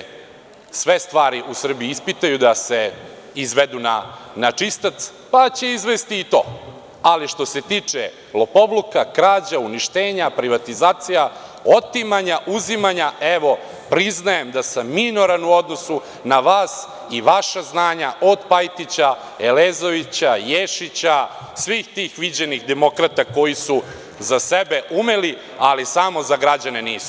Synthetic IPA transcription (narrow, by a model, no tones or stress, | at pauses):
sʋe̞st̪ʋaːɾiʔusr̩bijiispit̪ajud̪ase | izʋed̪una̰nat͡ʂist̪at̪s | pat͡ɕe̞izʋest̪iːt̪o̞̰ː | aliʃt̪o̞se̞t̪iːt͡ʂe | lo̞po̞blukakɾaːd͡ʑauniʃt̪eːɲapɾiʋat̪izaːt̪sijaot̪imaɲaʔuzimaɲaeʋo̞ | pɾiznajemd̪asamːino̞ɾanuo̞d̪no̞su | naʋaːs | iʋaʃaznaːɲaʔod̪pajt̪it͡ɕa | eleːzo̞ʋit͡ɕajeʃit͡ɕa | sʋiːxt̪iːxʋid͡ʑe̞nixd̪emo̞kɾat̪ako̞jisu | zasebe̞ʔumeli | alisamo̞zaɡɾad͡ʑaneniːsu̥